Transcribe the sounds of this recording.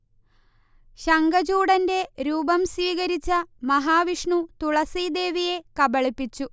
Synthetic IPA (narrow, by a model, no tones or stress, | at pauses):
ɕɐŋɡɐd͡ʑuːɽɐnde̞ɾuːbɐmsiːɣɐɾit͡ɕːɐmɐɦaːʋiʂɳut̪uɭɐsiːd̪e̞ːʋije̞kɐbɐɭipːit͡ɕːu